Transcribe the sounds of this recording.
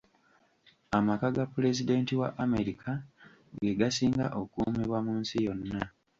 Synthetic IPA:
amakaɡapːule̞zide̞ntiwa̰ʔame̞ɾikʰa | ɡe̞ɡasiːŋɡa̰ʔo̞kumiβwamuːnsijo̞nːa

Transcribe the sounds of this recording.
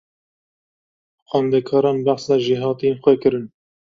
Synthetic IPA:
xɑnd̪ɛkʰɑːɾɑːnbaħsɑːʒiːɦɑːt̪inxwɛkɨɾɨn

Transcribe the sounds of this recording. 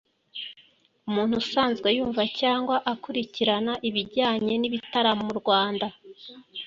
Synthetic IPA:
umuːn̥husaːnzɡwe̞juːɱvacaːŋɡwaʔakuɾiciɾanaʔiβiɟaːɲe̞niβitaɾamuɾɡwaːnda

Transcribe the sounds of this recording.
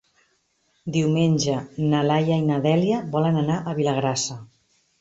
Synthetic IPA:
d̪iwmenʲd͡ʒənəlajainəðɛliəbɔlənənaʔəβiləɣɾasə

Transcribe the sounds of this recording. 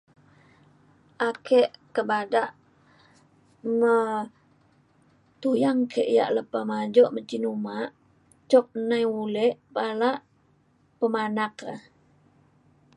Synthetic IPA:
ʔakɛʔkəbadaʔ | mə | t̪ujaŋkʰeʔja̰ʔləpamad͡ʒɔʔmət͡ʃinumaʔ | t͡ʃɔk̚najwulɛʔpalaʔ | pəmanaka̰

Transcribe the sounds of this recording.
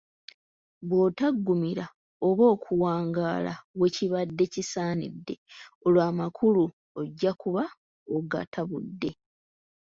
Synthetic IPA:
βwoːtaɡːumiɾa | o̞βo̞ːkʰuwaːŋɡaːla̰we̞ciβadːe̞cisaːnḭdːe̞̰o̞lwaːmakʰulu | oɟːakuβa | oɡa̰tʰaβṵdːe̞

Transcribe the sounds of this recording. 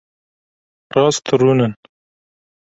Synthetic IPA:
ɾɑːst̪ʰəɾunən

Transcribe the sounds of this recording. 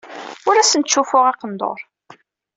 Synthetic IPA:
ʊɾæsənt̪ʃːufʊʁɑqənd̪o̰ɾˤ

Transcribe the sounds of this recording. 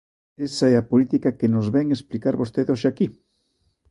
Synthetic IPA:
esaɛapolit̪ikakenozβɛŋesplikaɾβost̪eðoʃaki

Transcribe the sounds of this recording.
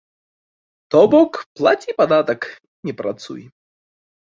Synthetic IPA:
t̪ɔbɔkplˠat͡sʲipad̪at̪ɐk | nʲɛpɾʔa̰t̪sṵji

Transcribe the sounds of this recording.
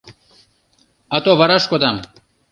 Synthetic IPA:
ɐt̪oʋɐɾɐʂkot̪ɐm

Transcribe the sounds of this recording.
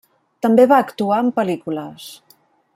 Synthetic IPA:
t̪əmbeβaəkt̪uaəmpəlikuləs

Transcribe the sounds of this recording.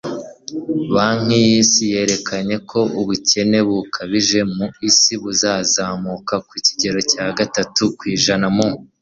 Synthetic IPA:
βaːŋ̥ijiːsije̞ːɾe̞kʰaɲe̞kʰo̞uβuce̞ne̞βukʰaβiʒe̞muisiβuzaːzaːmukakwuci̥ɟe̞ɾo̞caːɡatatukwiːʒanamu

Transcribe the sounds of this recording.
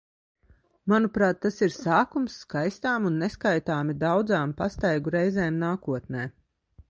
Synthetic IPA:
manupɾaːt̪ːasiɾsaːkumsːkajst̪aːmunːeskajt̪aːmid̪awd̪zaːmpast̪ajɡuɾɛjzɛːmnaːkuɔt̪nɛː

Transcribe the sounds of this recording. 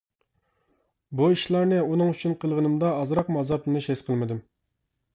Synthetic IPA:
buiʃlˠɑɾnɨunɨŋyt͡ʃʰynqʰəlˠʁənɨmd̪ɑːzɾɑqmɑzɑplˠɨnɨʃɛsqʰəlˠmɨd̪ɪm

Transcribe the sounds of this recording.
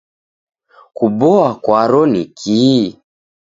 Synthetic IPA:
kubɔakwaɾɔnikʰiː

